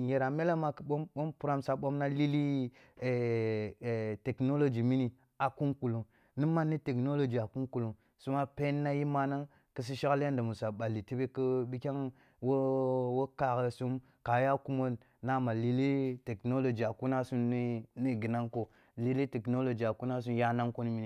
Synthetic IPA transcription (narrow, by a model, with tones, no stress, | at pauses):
je˨ɾa˨me˦la˦ma˨kə˨ɓo˦mɓo˦mpu˦ɾa˦msa˨ɓo˦mna˦li˦li˦˨ | te˨kno˦lo˨d͡ʒi˨mi˦ni˨ | a˨ku˦ŋku˨lu˨ | ni˦ma˦nːi˦te˨kno˦lo˨d͡ʒi˨a˨ku˦ŋku˨lu˨m | su˦ma˦pe˦nː˦a˦ji˦ma˦na˦ŋ | kɨ˦s̬i˦ʃa˦klja˦nda˨mu˨sa˨ɓa˨li˨ti˦be˦kə˦bi˦kʲa˦ŋ | wo˦wo˦ka˨kə˨su˦m | ka˨ja˦ku˦mo˦nː | a˦ma˨li˦li˦te˨kno˦lo˨d͡ʒi˨a˨ku˦na˦su˦ni˦˨ɡi˨na˦ŋko˦ | li˦li˦te˨kno˦lo˨d͡ʒi˨a˨ku˦na˦s̬u˦mja˦na˦ŋko˦ni˦mi˦ni˨